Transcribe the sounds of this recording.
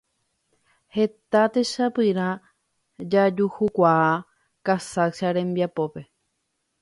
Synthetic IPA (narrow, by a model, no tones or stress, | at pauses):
he̞t̪at̪e̞ʃapɨɾã | d͡ʒad͡ʒuhukʷaa | kasakʃaɾẽ̞mbiapo̞pe̞